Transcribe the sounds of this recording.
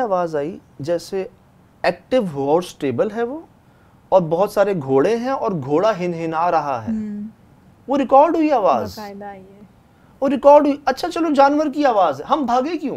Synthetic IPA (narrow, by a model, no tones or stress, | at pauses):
aːʋaːzaːḭd͡ʒɛːse | ɛːk̚ʈɪʋɦɔːɖsʈeːbəlɦɛʋoː | ɔːɾbɔɦʊt̪saːɾeɡʱoːɽẽɦɛ̃ɔːɾɡʱoːɽaɦɪnɦɪnaɾɐɦa̰ɦɛ̰ː | ʋoɾɪkɔːɾɖɦʊiaːʋaːz | ʋoɾɪkɔːɾɖɦuiɐtːʃʰat͡ʃɐlod͡ʒaːnʋəɾkiaːʋaːzɦɛɦɐmbʱaːɡẽkjũː